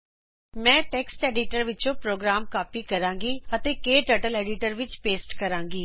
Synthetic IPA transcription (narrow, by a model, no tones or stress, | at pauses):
mɛ̃ːʈeːksʈeːɖɪʈəɾʋɪt͡ʃõpɾoːɡɾaːmkaːpikɐɾãːŋɡiɐt̪ekeːʈəʈəleːɖɪʈəɾʋɪt͡ʃpeːsʈkɐɾãːŋɡiː